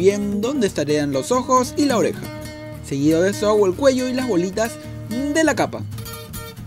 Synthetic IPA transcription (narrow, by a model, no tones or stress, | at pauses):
jend̪ond̪est̪aɾeanlosoxosilaoɾḛxa̰ | seɣiðoðesoawaelkweʝo̞ilazβolit̪as | d̪elakapa̰